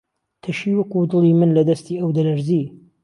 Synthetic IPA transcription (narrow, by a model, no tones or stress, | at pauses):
t̪ʰɐʃiːwɐkud̪ɨlˠiːmɨnlɐd̪ɐst̪iːʔɐwd̪ɐlɐɾzi